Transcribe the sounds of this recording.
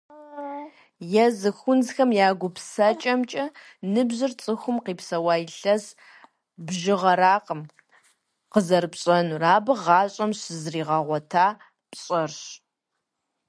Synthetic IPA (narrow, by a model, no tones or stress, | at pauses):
jɛzɨxʷʊnzxɐmjaːɡʷʊpsɐt͡ʃʼɐmt͡ʃʼɐ | nɨbʑɨrt͡sʼɨxʷʊmqiːpsɐwaːjɪɬɐz | bʒɪʁɐɾaːqəm | qəzɐrpɕʼɐnuraːbɨʁɑːɕʼɐmɕɨzriːʁɑʁʷɔtʰaː | pɕʼɐrɕ